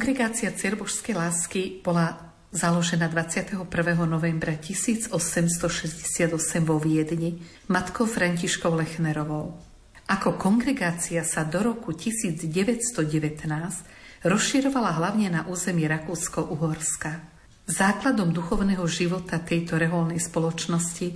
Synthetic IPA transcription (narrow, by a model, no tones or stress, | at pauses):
kɔŋɡɾɛɡaːt͡siat͡sɪɛɾbɔʃskɛjlaːskib̥ɔla | zalɔʒɛnad̪ʋat͡sɪat̪ɛɦɔpr̩ʋɛɦɔnɔʋɛmbɾacisiːd͡zɔsɛmst̪ɔʃɛzɟɛsɪad̪ɔsɛmʋɔʋɪɛd̪ɲi | mat̪kɔʊfɾaɲciʃkɔʊlɛxnɛɾɔʋɔʊ | ʔakɔkɔŋɡɾɛɡaːt͡siasad̪ɔɾɔkucisiːd͡zɟɛʋɛcst̪ɔɟɛʋɛt̪naːsc | ɾɔsʃiɾɔʋalaɦlaʊɲɛnaʔuːzɛmiiɾakuːskɔʔuɦɔɾska | zaːklad̪ɔmd̪uxɔʊnɛɦɔʒiʋɔt̪at̪ɛjt̪ɔɾɛɦɔlnɛjspɔlɔt͡ʃnɔsci